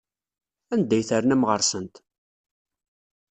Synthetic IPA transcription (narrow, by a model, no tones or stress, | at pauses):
ænd̪ːæjθəɾnæmʁəɾsənt̪